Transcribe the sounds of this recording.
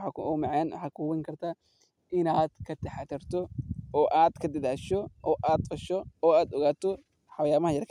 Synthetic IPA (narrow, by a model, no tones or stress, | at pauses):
akɔmɑʕɛnwɑ̰ħɑːkʰʊwɛŋkʰɐrt̪ʰaː | ɪnaːd̪kʰɐt̪ʰɛħat̪ʰɛrt̪ʰɔɔːʔaːd̪kʰɐd̪ɐðaːʃɔʔɔːʔaːd̪̚qɐʃɔɔːaːd̪ɔɣaːt̪ʰɔ | ħɑwjaːmɐhɐjɐrkʰ